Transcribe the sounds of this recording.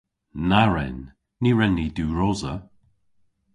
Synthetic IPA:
naɹɛ̰nː | iɹɛnːiduːɹɔːzə

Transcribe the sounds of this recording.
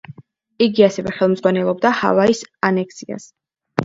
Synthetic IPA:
iɡiasɛvɛχɛlˠmd̪zʁwanɛlˠɔb̚d̪aha̰vaisanɛksia̰s

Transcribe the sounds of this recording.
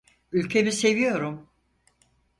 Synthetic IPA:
ylʲcʰe̞mise̞vijo̞ɾum

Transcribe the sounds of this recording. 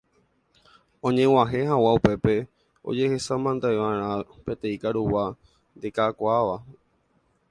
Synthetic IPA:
õ̞ɲẽ̞w̃aɦe̞ɦawaupe̞pe̞ | o̞̰d͡ʒe̞he̞samãnd̪aeʋãɾ̃ãpe̞t̪ẽ̞ĩkaɾuwa | nd̪ekakʷaʋa

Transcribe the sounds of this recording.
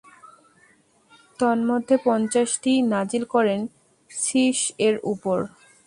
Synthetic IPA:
t̪ɔnmod̪ʱːepɔnt͡ɕaʃʈinad͡ʑilkɔɾen | ʃiʃeɾupoɾ

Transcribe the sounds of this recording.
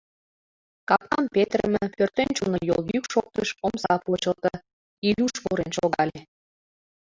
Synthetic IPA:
kɑp̪̚ɑmpet̪rəmə̆ført̪enʲt͡ɕunojo̰ljykʃok̚t̪əʃomsɑput͡ɕot̪ə | ilʲuʃβoɾenʃoɣɑlʲe

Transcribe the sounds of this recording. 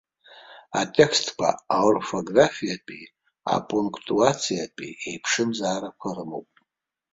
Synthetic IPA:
atʼekʰstʰkʷʰa̰aurfo̞ɡrafijapʼi | a̰pʼuŋkʰtʼuat͡sʰijapʼiejpʰʂɨmzaːɾakʷʰarɨmo̞̰wpʼ

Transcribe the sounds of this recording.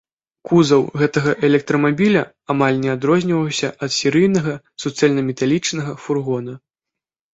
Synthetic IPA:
kuzɐwɣɛt̪ɐɣɐʔɛlʲɛk̚t̪ɾɐmabʲilʲɐ | amalʲnʲɛad̪ɾɔzʲnʲivɐwsʲɐʔɐt̪sʲɛɾɨjnɐɣɐ | sut̪sɨjɛlʲnɐmʲɛt̪alʲit͡ʂnɐɣɐfurɣɔnɐ

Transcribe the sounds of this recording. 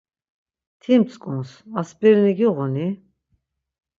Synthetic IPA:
t̪ʰimt͡sʼkʼunsaspʼɛɾniɡiʁɔni

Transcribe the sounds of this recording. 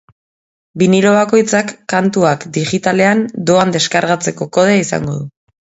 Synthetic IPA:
biniɾo̞βako̞jt͡sakːant̪uakd̪iɣit̪ale̞and̪o̞and̪e̞skaɾɣat͡se̞ko̞ko̞ð̞eaisa̰ŋɡo̞̰ðu

